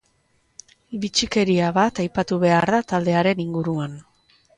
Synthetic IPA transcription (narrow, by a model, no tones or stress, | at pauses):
βit͡ʃike̞ɾiaβat̪ajpat̪uβe̞aɾðat̪ald̪e̞aɾe̞niŋɡuɾuan